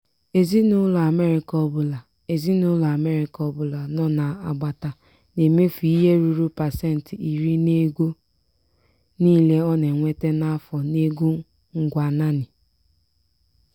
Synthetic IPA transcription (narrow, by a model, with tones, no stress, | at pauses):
e˨zi˦nʊ˦la˨me˦ɾi˨kɔ˦bʊ˨la˨ | e˨zi˦nʊ˦lʊ˨a˨me˦ɾi˨kɔ˦bʊ˨la˨nɔ˦na˨a˨ɡ͡ba˨ta˨ | ne˨me˦fi˦ɦe˦ɾu˨ɾu˦pa˨se˦˨n̩˨ti˨ɾi˦ne˦ɡo˦ | niː˦le˦ɔ˦ne˨ŋʷe˦te˦na˦fɔ˨ne˦ɡu˦ | ŋ̩˨ɡʷa˨na˦nɪ˨